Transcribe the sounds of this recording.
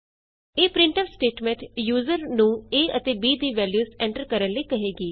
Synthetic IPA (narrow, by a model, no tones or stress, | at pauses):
eːpɾɪ̃ɳʈəːʋsʈeːʈmẽɳʈjuːzəɾnũːeːət̪eːbiːd̪iːʋɛːljuːzɛ̃ːɳʈəɾkəɾənləiːkəɦeːɡiː